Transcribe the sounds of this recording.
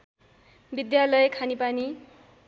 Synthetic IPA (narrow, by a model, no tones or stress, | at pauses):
bid̪jalʌjkʰanipani